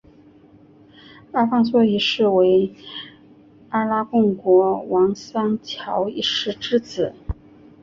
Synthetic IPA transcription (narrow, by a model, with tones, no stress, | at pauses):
a˥fɑ˥˧ŋswɔ˥˩i˧˥ʂɻ̩˥˩we˧˥ɪ | a˥la˥kʊ˥˩ŋkwɔ˧˥wɑ˧˥ŋsɑ˥ŋt͡ɕʰjɑ˧˥ʊi˥˩ʂɻ̩˥ʈ͡ʂɻ̩˥t͡sɹ̩˨˩˦